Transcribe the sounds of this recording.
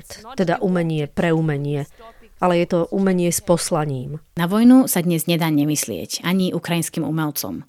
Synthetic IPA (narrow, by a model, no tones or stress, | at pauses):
t̪t̪ɛd̪aʔumɛɲɪɛpɾɛumɛɲɪɛ | alɛjɛt̪ɔʔumɛɲɪɛspɔslaɲiːmnaʋɔjnusad̪ɲɛzɲɛd̪aːɲɛmislɪɛ̰caɲiʔukɾajinskiːmṵmɛlt͡sɔ̰m